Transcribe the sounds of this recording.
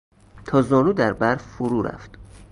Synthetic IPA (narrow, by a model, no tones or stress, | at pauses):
t̪ʰɒːzɒːnuːd̪æɾbæɾffoɾuːɾæ̰ft̪